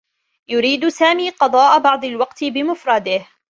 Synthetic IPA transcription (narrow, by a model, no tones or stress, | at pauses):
jʊɾiːd̪saːmiːqɑd̪ˤɑːʔabɑʕd̪ˤɪlwɑqt̪ɪbɪmʊfɾˤɑːd̪ɪh